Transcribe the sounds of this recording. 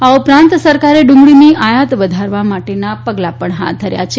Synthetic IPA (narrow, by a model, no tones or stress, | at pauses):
aupɾãnt̪səɾkaɾeɖʊ̃ŋɡɭiniʔajat̪ʋəd̪ʱaɾʋamaʈenapəɡlapəɳɦa̰t̪̚d̪ʱəɾja̰t͡ʃʰe